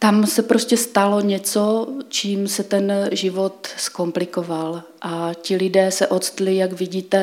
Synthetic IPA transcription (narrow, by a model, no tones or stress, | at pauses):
t̪amsɛpɾo̞scɛst̪alo̞ɲɛt͡sot͡ʃiːmsɛt̪ɛnʒɪvo̞t̪sko̞mplɪkoval | ʔacɪlɪdɛːsɛʔo̞t̪st̪lɪjaɡvɪɟiːt̪ɛ